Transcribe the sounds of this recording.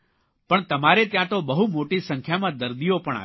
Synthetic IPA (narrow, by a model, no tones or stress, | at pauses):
pəɳt̪əmaɾet̪jãt̪obəɦumoʈisə̃ŋkʰjamãd̪əɾd̪ijopəɳa̰